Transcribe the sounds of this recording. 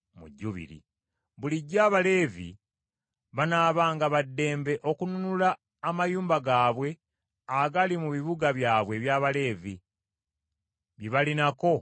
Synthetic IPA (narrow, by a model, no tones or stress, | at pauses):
mṵɟːuβḭɾḭ | βuliɟːaːβale̞ːvḭ | βanaːβaːŋɡaβadːe̞ːmbe̞ʔo̞kununulaː | majuːmbaɡaːβwe̞ | aɡalimuβiβuɡaβjaːβwe̞βjaːβale̞ːvi | βiβalinako̞